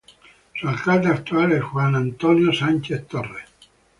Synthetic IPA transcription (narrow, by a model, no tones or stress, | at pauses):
sualkad̪eakt̪uaːleɛʝwanant̪ɔnjosant͡ʃeθt̪orːe